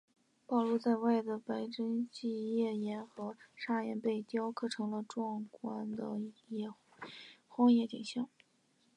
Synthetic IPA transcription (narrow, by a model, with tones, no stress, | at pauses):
pɑ˥˩ʊlu˥˧t͡sa˥˧ɪwa˥˩ɪd̪ə˩pa˧˥ɪʈ͡ʂə˥ŋt͡ɕi˥˧jɛ˥˩jɛ˧˥nxɤ˧˥ʂa˥˩jɛ̰˧˥npe˥˩ɪt̪jɑ˥ʊkʰɤ˥˩ʈ͡ʂʰɤ˧˥ŋlə˧ʈ͡ʂwɑ˥˧ŋkwa˥nd̪ə̰˧˩ɛ˥˩ | xwɑ˥ŋjɛ˥˩t̪ḭ˨˩ɕjɑ˥˩ŋ